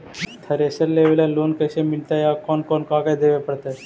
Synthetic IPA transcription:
t̪ʰəɾesəɾleʋljalonkəjsemiɭt̪ajakɔnkɔnkaɡajd̪eʋeapəɽt̪a

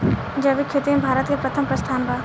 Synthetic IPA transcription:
d͡ʒɐʋikʰeːt̪imebʱaːɾət̪kepɾɐt̪ʰəmpɾɐst̪ʰaːnbaː

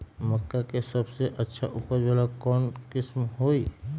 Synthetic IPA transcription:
məkːakesəbseʔətːʃʰa̰ʔʊpəɾbalakɔːnkɪsmɦoːi

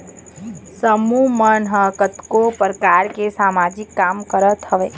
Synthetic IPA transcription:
səmumənɦəkət̪kopɾkaːɾkesaːmaːd͡ʒɪkːaːmkəɾət̪ʰəʋeː

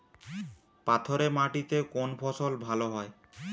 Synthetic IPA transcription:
pat̪ʰoɾemaʈit̪ekonpʰɔsolbʱaloɦɔe

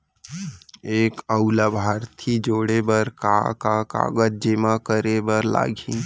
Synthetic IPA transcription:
eːkəʊlabʱaːɾt̪ʰid͡ʒoːɽebəɾka̰kaka̰ːɡəd͡ʒ̚d͡ʒemakəɾebəɾla̰ːɡʱi

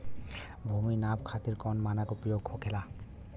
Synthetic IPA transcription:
bʱuminabkʰat̪iɾkɔnmanakopijokʰokʰela

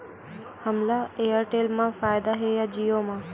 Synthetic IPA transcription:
həmlaejəɾʈelmãfaːjd̪aɦejad͡ʒijomã

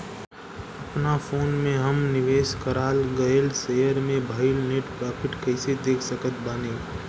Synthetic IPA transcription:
əpnafʰoːnmẽɦəmnɪʋeːskəɾaːlɡəelsejəɾmẽbʱaɪlneːʈpɾaːpʰɪʈkəɪsed̪eːkʰsəkət̪ʰbaːneː

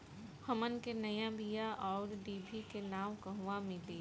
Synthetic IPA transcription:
hɐmənkenɐjãbijaʔɔːɾɖiːbʱikenaːwkɐɦʋamɪleː

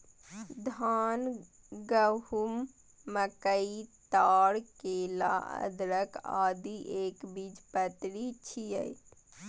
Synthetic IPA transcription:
d̪ʱaːn | ɡəɦumː | əkəit̪aːɽkeːla̰ə̰d̪ɾəka̰ːd̪iʔeːkbid͡ʒpət̪ɾit͡ʃʰijəi

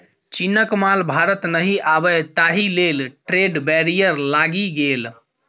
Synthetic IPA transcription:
t͡ʃinəkmalbʱaɾət̪nəɦiʔabɛt̪aɦilelʈɾeɖbɛɾijəɾlaɡiɡel

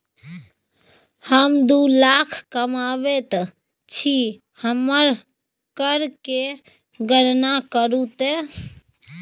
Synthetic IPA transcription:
həmd̪ulakʰkəmaβet̪ | t͡ʃʰi | həmːəɾ | kəɾke | ɡəɾnakəɾut̪e

